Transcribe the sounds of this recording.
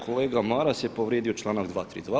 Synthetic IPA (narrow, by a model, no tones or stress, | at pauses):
kʰoleːɡamaːɾasepoʋɾjed̪iot͡ʃlˠaːnaɡd̪ʋaːt̪ɾḭd̪ʋa